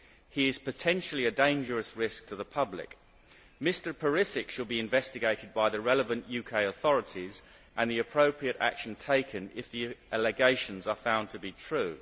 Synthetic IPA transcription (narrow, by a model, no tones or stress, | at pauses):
hiɪz̥pɨtʰɛ̃nʃl̩ˠiɨdẽɪ̃nd͡ʒəɹəsɹɪsk̚tʰəðəpʰʌblɪ̰k | mɪstə˞pʰəɹɪsɪkʃəlˠbiɪ̃ɱvɛstɨɡeɪɾɨd̚baɪðəɹɛləvə̃nʔjʉkʰeɪəθɒɹətʰiz | ʔə̃nðiɨpʰɹ̥əʊpʰɹiəɾæ̰kʃə̃n̩tʰeɪkʰɨ̃nɪfðiælɪɡeɪʃə̃nzəfãʊ̃ntʰəbitʰɹ̥ʉː